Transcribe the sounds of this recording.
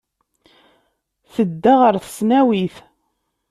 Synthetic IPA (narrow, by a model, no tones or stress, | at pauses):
θəd̪ːaʁəɾθə̥snæwiθ